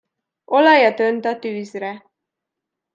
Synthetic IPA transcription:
olɑjɑt̪ønt̪ɑt̪yːzɾɛ

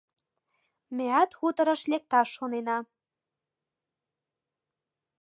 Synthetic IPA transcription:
meæt̪xut̪ɤ̆ɾɤ̆ʃlek̚t̪ɑʃːonenɑ

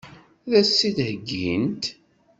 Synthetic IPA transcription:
ðæsːiθhəɡːint̪

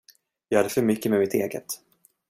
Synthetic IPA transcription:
jɑːɡhad̪ːəfœɾmʏkːəmɛmɪt̪ʰeːɡə̰t̪

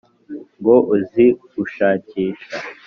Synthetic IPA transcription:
ŋɡo̞ʔuzi | uʃaːciːʃa

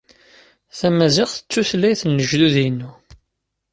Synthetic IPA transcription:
θæmæzɪʁθə̥t͡sːuθlːæjθənːəʒluðinːu

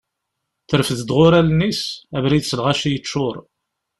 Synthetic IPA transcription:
θəɾfəðəd̪ʁʊɾælnisævɾid̪səlʁæʃijət͡ʃːʊɾˤ

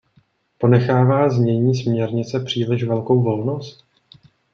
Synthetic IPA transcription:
po̞nɛxaːvaːzmɲɛɲiːs̬mɲɛɾɲɪt͡sɛpr̝̥iːlɪʃvɛlko̞wvo̞lnost̪

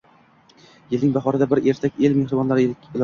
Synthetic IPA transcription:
jɪlnɪŋbaχɒɾad̪abɪɾe̞ɾt̪ʰakʲelmehɾɪbɒnlaɾɪɪl

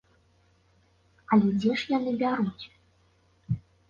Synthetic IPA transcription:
ɐlʲɛd͡zʲɛʂjanɨbʲaɾut͡sʲ

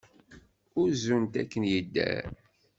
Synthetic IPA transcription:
ʊɾzunt̪ækːənjəd̪ːæ̰

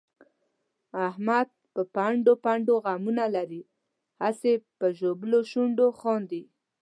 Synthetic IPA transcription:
ahmad̪̚pəpaɳɖopaɳɖoɣamunalaɾi | hasepəʒobəloʃuɳɖoxɔnd̪i

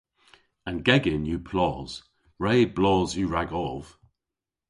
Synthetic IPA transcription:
ə̃nɡɛɡɪ̃njəpʰl̥ɔːz̥ | ɹeɪblɔːzjəɹaɡɔv̥

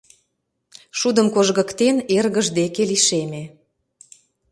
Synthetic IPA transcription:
ʃud̪əmkoʒɣə̆kt̪enerɣə̆ʒd̪ekeliʃeme

